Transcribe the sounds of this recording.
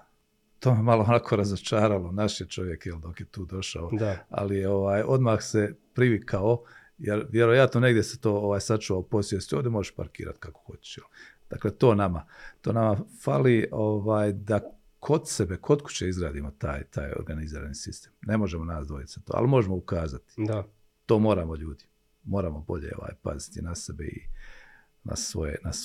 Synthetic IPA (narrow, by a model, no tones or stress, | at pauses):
t̪oːmemaloonakʰo̞ːɾazot͡ʃaːɾalˠonaʃjet͡ʃo̞ʋje̞kjeld̪o̞kjet̪uːd̪o̞ʃa̰od̪a̰lijeo̞ʋaːjo̞d̪maːxsepɾiʋikʰao | jeɾʋjeɾo̞jat̪noneɡd̪jese̥t̪o̞ːoʋaːjsat͡ʃuːʋaupo̞sjesuoːd̪emo̞ʒeʃpa̰ɾkḭːɾa̰t̪kako̥xot͡ɕe̥ʃjel | d̪̥akle̞ːt̪o̞ːnama̰t̪oːnamafalioʋaːjd̪a | kʰo̞d̪se̞be̞kʰo̞d̪ku̥t͡ɕeizɡɾaːd̪imo̞t̪aːjt̪ʰaːjo̰ɾɡaniziːɾa̰nisist̪eːmne̞mo̞ʒemonaːsd̪ʋojit̪ʲzat̪oːa̰limo̞ʒemoukaːzat̪i̥d̪a | t̪o̞ːmo̞ːɾaːmo̞ʎuːd̪i | mo̞ːɾamo̞bo̞ʎḛoʋa̰ːjpa̰zi̥t̪inasebḛḭ | na̰sʋo̰jḛnas